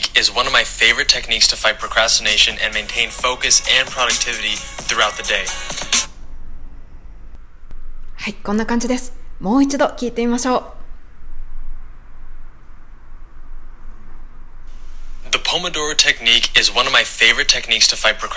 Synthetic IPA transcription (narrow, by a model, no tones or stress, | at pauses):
kɪzwʌ̃nʌvmaɪfeɪvə˞ɨtʰɛknikstʰəfaɪt̚pʰɹ̥əkʰɹæstɨneɪʃɨ̃nʔɨ̰̃nmẽɪ̃ntʰẽɪ̃nfoʊkɨsɨ̃npʰɹ̥ɑɾʌk̚tʰɪvɨɾiθɹʉaʊt̪̚ðɨdeɪ | haikõnːakãɲd͡ʑid̪e̞sɨ̥mo̞ːit͡ɕid̪o̞kʲiːt̪e̞imaɕo̞ː | ðəpʰomədɔɹtʰɛknikʰɪzwʌ̃nʌvmaɪfeɪvə˞ɨtʰɛknikstʰəfaɪt̚pʰɹ̥əkʰ